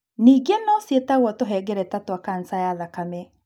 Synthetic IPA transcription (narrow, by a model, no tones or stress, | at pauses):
niːɡenɔsjetaɣwɔtoɦɛɡɛɾɛtatwakan̩sajaðakamɛ